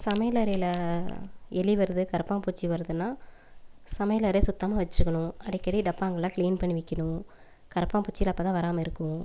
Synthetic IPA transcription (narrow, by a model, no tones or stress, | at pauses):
sɐmɐjlɐɾɐjɪlɐ | ɛɭiʋɐɾðɯkɐɾɐpːãːpuːt͡ʃːiʋɐɾɯðɯnːaː | sɐmɐjlɐɾɐjɐsʊt̪ːɐmaːʋɐt͡ʃːɾɯkːɐɳʊ̃ɐɽɪkːɐɽiɖɐpːaːŋɡɐɭːãːkɭiːnpɐɳːɪʋɪkːɐɳʊ̃ | kɐɾɐpːãːpuːt͡ʃːiɪlɐpːɐːt̪ãːʋɐɾaːmɐɪɾɯkːʊ̃